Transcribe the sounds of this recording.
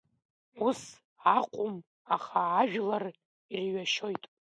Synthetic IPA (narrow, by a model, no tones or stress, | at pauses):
us | aqʷʼʊm | aχaːʒᶣlar | irɥaʃojtʼ